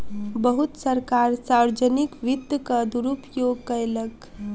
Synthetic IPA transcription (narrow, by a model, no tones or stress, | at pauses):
bəɦut̪səɾkaɾsaɾd͡ʒənikʋid̪əkəd̪uɾupjoɡ̚kəjlək